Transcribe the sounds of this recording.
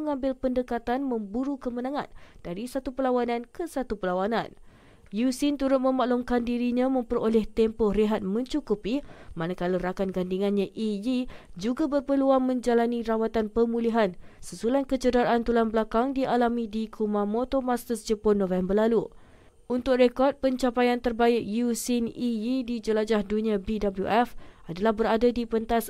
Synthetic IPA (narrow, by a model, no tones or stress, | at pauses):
əŋãmbɪlpəndəkat̪anmə̃mbuɾukəmənãŋã̰nd̥aɾisat̪upəlawanãnkəsat̪upəlawanã̰n | jusint̪uɾʊt̪̚mə̃maʔlumkandiɾiɲãmə̃mpəɾolɛht̪ɛmpɔreɦat̪̚mə̃ɲt͡ʃukupimanakaləɾakanɡandiŋãnɲãʔijid͡ʒuɡabərpəluaŋmə̃ɲd͡ʒalanĩɾawat̪anpəmuliɦansəsulankət͡ʃədaɾaʔant̪ulanbəlakaŋdiʔalamĩdikʰumãmot̪omast̪əsd͡ʒəpʊnːõfɛmbərlalu | unt̪ʊk̚rekɔrt̪̚pəɲt͡ʃapajant̪ərbaɪk̚jusinijidid͡ʒəlad͡ʒahdunĩabidabəljṵʔɛfʔadalahbəɾadadipənt̪as